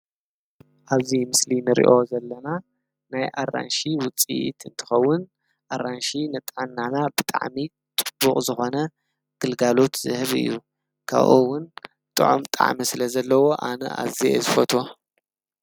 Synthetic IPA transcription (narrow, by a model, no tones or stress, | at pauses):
ʔaβzimɨslinɨɾḭʔo̞zɐlːɐna | najʔarːa̰nʃiwʊt͡sʼḭt̪ʰɨnt̪ʰɨ̥xɐwːʊn | ʔaranʃinɨt̪ʼʕanːanabɨt̪ʼa̰ʕmi | t̪ʼɨbːuχʼzɨxo̞nɐ | ɡ̥ɨlɡalo̞t̪z̥ɨ̰hɨβɨ̰jːu | kʰa̰βʔṵwːʊn | t̪ʼɨ̰ʕo̰mt̪ʼa̰ʕmisɨlɐzɐlːɐwo̞ʔanɐ̰ʔa̰βzḛzɨfɐt̪ʰo̞